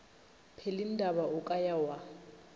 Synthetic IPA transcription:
pʰelin̩dʱabaʊkʼajawa

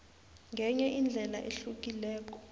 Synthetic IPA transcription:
ŋɡʱɛɲɛʔind͡ɮʱɛla̰ʔeɬuk̬ilɛːk̬ɔ̥

